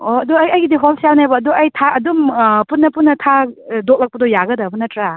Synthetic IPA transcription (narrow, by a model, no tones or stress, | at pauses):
oɐdɔɐjɐjɡidiɦolsjawnajbɐːdɔɐjtʰaɐdumpunːɐpunːɐtʰadok̚lɐk̚pɐdɔjaɡɐdɐbɐnɐtɾa